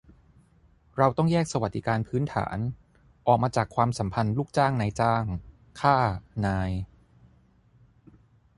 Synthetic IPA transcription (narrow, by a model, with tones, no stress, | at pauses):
ɾa˧wt̪ɔ˥˩ŋjɛː˥˩k̚sa˧wa˨˩t̪̚di˦˧˩kaː˧npʰɯː˦˥nt̪ʰa̰ː˩˦n | ʔɔː˨˩k̚maː˧t͡ɕaː˨˩kʰwaː˧msa˩˦mpʰa˧nluː˥˩k̚t͡ɕaː˥˩ŋna˧jt͡ɕaː˥˩ŋ | kʰaː˥˩naː˧j